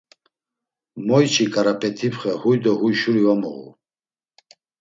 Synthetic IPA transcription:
mɔjt͡ʃʰʼikʼaɾapʼɛt̪ʰipχɛhujd̪ɔhujʃuɾivamɔ̰ɣṵ

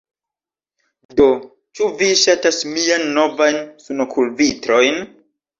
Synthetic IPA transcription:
do̞ | t͡ʃuviʃatasmianːo̞vajnsunokʰulvitɾo̞jn

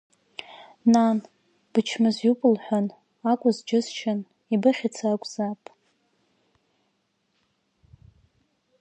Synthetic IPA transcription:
nan | b̥ɨt͡ʃʰmɨzjupʼʊlħʷan | akʷʼʊzd͡ʒɪzt͡ʃʰɪn | ibɨχʲɪt͡sʰakʷʼzapʼ

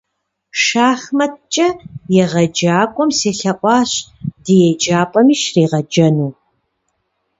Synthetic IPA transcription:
ʃaːxmɐt̚t͡ʃʼɐjɛʁɐd͡ʒaːkʷʼɔmseːɬɐʔʷʼɑːɕd̥ɨjɛd͡ʒaːpʼɐmiːʃriːʁɐd͡ʒɐnuː

